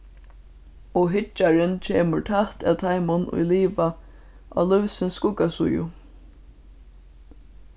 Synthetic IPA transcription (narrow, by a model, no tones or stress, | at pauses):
ɔɦɪt͡ʃːaɹɪnt͡ʃʰeːməɹt̪ʰaht̪ʰa̰wt̪ʰajmʊnʊ̰jliːʋa | ʔa̰ːlʊwsɪnskʊkasʊjʊ̰